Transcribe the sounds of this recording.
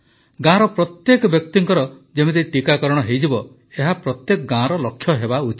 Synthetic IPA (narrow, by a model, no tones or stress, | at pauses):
ɡãɾɔpɾɔt̪jekɔbjɔk̚t̪iŋkɔɾɔd͡ʒemet̪eʈikakɔɾɔɽ̃ɔɦejd͡ʒibɔ | eɦapɾɔt̪jekɔɡãɾɔlɔkʰjɔɦebaut͡ʃi